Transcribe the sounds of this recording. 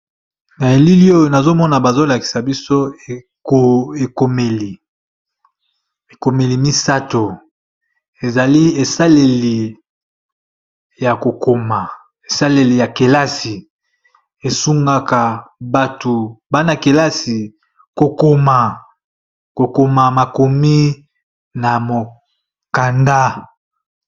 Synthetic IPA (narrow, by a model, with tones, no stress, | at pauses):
na˨e˨li˦li˦o˦jo˨na˨zo˦mɔ˦na˨ba˨zo˦la˨ki̥˨sa˨bi˦so˦e˨ | o˨e˨ko˨me˨li˨ | e˨ko˨me˨li˨mi˦sa˦to˨ | e˨za˨li˦e˨sa˦le˨li˨ | ja˨ko˨ko˨ma˨ | e˨sa˦le˨li˨ja˨ke˨la˦si˨ | e˨su˦ŋɡa˦ka˨ba˨to˨ba˦na˨ke˨la˦si˨ | ko˨ko˨ma˨ | ko˨ko˨ma˨ma˨ko˨mi˦ | na˨mo˨ | ka˨nda˦